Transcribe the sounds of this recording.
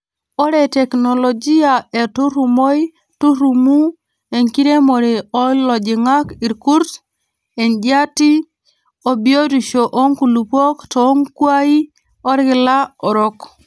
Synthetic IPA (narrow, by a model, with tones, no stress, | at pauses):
o˦ɾe˨te˨kno˨lo˨d͡ʒi˦a˨e˨tu˦ɾu˨mo˦i˦ | tu˦ɾu˨mu˦ | e˨ŋki˦ɾe˦mo˨ɾi˨ɔ˦lɔ˨d͡ʒɪ˨ŋa˦ki˨ɾku˦ɾs | e˨nd͡ʒa˦ti˦ | o˨bio˦di˨ʃo˨ʔo˦ŋku˨lu˨po˦ktɔ˦ŋkwa˦i˦ | ɔ˦ɾɡɪ˨la˦ɔ˨ɾɔ˦k